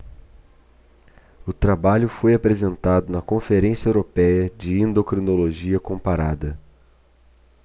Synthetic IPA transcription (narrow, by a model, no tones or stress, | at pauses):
ʊt̪ɾabaʎʊfojapɾezẽnt̪ad̪ʊnɐkõfeɾẽsiɐewɾopɛjɐd͡ʒɪẽnd̪okɾinoloʒiɐkõmpaɾad̪ɐ